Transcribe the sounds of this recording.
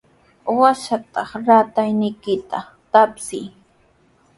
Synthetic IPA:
waʃat̪ɑχɾat̪ajnɪjkɪt̪a | t̪apsɪj

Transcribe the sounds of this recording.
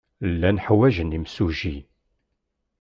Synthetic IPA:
lːænħwæʒənimsuʒi

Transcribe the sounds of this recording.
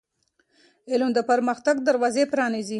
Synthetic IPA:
ɪlmd̪əpəɾməxt̪aɡ̚d̪aɾwɑzepɾɑnizi

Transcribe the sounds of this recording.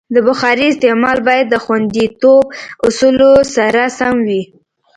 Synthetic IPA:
d̪əbʊxɑɾiɪst̪emɑlbɑjad̪ːəxwand̪it̪ob̚ʊsulosaɾasamwi

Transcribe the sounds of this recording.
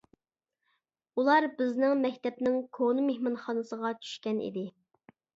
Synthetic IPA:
ulˠɑɾbɪznɪŋmɛkʲt̪ɛpnɪŋkʰonɨmehmɑnχɑnɨsəʁɑt͡ʃʰy̥ʃkʲɛnʔḭd̪ɪ

